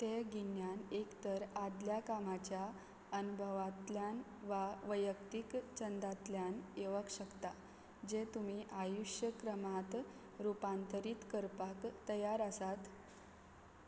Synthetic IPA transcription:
t̪eɡinjanekt̪əɾad̪ljakamat͡ɕja | ənubʱəʋat̪ljan | ʋaʋəjəkt̪ikt͡ɕənd̪at̪ljaneʋəkɕəkt̪a | d͡ʑet̪um̤iʔajuʂjəkɾəmat̪ | ɾupant̪əɾiːt̪kəɾpakt̪əjaɾəsat̪

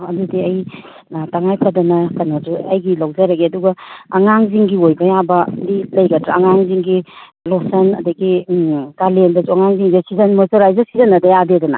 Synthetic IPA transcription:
ɐdudiɐj | taŋajpʰɐdɐnɐkɐnoduɐjɡilawzɐɾɐɡiɐduɡɐːŋaŋziŋɡiojbɐjabɐdilɐjɡɐdɾa̰ːŋaŋziŋɡilɔsɐnɐ̰dɐɡikalendɐzuaŋaŋziŋasizɐnmɔzɔɾajzɐsizɐnɐdɐjadedɐnɐ̰

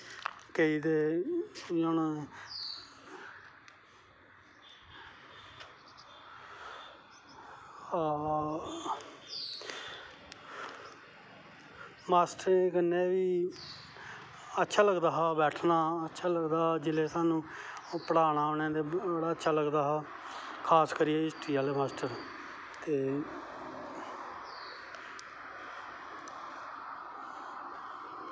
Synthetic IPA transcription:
keiːd̪eː | jon | maːsʈɾẽkənːẽːʋiː | ətːʃʰaːləɡd̪aːɦaːbɛːʈʰnaːətːʃʰaːləɡd̪aːɦːd͡ʒɪleːsaːnũː | pəɽaːnaːnẽːd̪eːbəɽaːətːʃʰaːləɡd̪aːɦaː | kʰaːskəɾiːɛːɪsʈiːjaːleːmaːsʈəɾ | t̪eː

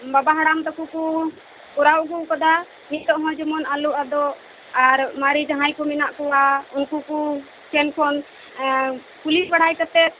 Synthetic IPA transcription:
babaɦaɽamd̪ɔkuku | uɾawɡukɔd̪a | nit̪̚t̪ɔʔɦɔ̃d͡ʒɔmɔnaluʔad̪ɔʔ | aɾmaɾid͡ʒãɦãjkɔminaʔkɔwaũkuku | kɛnkʰɔn | pulisbaɽ̤ajkɔt̪ɛt̪̚

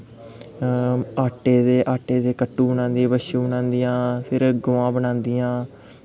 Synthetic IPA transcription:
aːʈeːd̪eːʔaːʈeːd̪eːkəʈːũːbənãːnd̪ĩbəʃũːbənãːnd̪iːãːpʰɪɾɡʊːãːbəɳãːnd̪iːãː

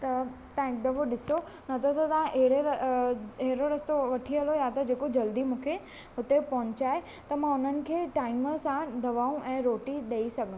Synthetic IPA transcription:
t̪ɐ | t̪ãːɪ̃kd̪ɐʋoɗɪso | nɐt̪ʰɐt̪ɐt̪ɐãʔeɦɽeɾ | eɦɪɾoɾɐst̪oʋɐʈʰiɦɐlojat̪ɐd͡ʑeːkod͡ʑɐld̪imũːkʰe | ɦʊt̪epɐɦʊ̃ɲt͡ɕaːe | t̪ɐmãʊn̤ənɪ̆kʰeːʈaːɪməsãd̪ɐʋaːũʔɛ̃ːɾoːʈiɗeisɐɡʱə̃

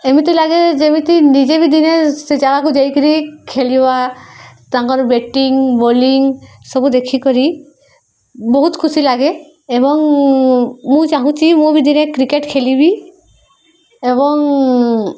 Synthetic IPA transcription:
emit̪ujlaɡed͡ʒemit̪inid͡ʒebid̪inesed͡ʒaɡakud͡ʒajkɔɾikʰeliba | t̪aŋkɔɾbeʈiŋboliŋ | sɔbud̪ekʰikɔɾi | bɔɦut̪kʰusilaɡeː | bɔŋ | mũd͡ʒaɦũt͡ʃimubid̪inekɾikeʈkʰelibi | eβɔŋ

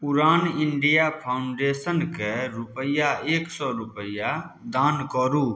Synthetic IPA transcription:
pʊɾaːnɪɳɖijapʰaːʊɳɖeːsənkeɾʊpəjaeːksɔːɾʊpəja | d̪aːnkɔːɾuː

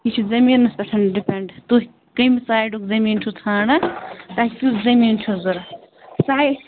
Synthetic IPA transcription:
it͡ʃʰuzɐmiːɾnɐst̪ɐʈʰɐnɖipeɳɖt̪u | kɐmisaːjɖukzɐmiːnt͡ʃʰut̪ʰaːnɐt̪akʲukzɐmiːnt͡ʃʰuzuɾ | saːj

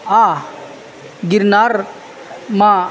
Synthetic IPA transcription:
a | ɡiɾnaːɾ | mã

